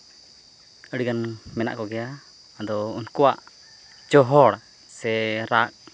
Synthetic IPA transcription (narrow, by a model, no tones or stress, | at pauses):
əɽiɡanmɛna̰ʔkɔɡɛja | d̪ɔunkɔwaʔ | t͡ʃɔɦɔɽ | sɛɾak̚